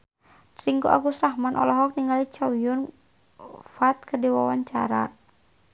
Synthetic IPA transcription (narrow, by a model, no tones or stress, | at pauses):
t̪ɾiŋɡuʔa̰ɡusrahmanʔɔ̰lɔɦɔk̚niŋalit͡ʃawijɔn | fat̪̚kədiwawaɲt͡ʃa̰ɾa̰